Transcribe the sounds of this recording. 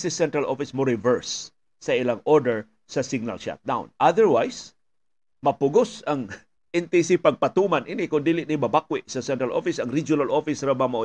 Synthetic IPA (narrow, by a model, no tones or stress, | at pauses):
sɪsɛnt̪ɾalʔofɪsmoɾɪvɛɹsː | ɐʔɪlaŋʔɔɹd̪ɛɹ | sɐsɪɡ̚na̰lʃa̰t̪̚d̪a̰w̃nʔad̪ɛɹwajs | mɐpʊɡosɐŋ | ʔɪnt̪ɪs̬ɪpɐɡ̚pɐt̪umanʔɪnɪkʊnd̪iːlɪʔnɪmɐbak̚wɪʔsɐsɛnt̪ɾalʔo̰fɪsɐŋɾid͡ʒʊnalʔofɪsɾabamɐo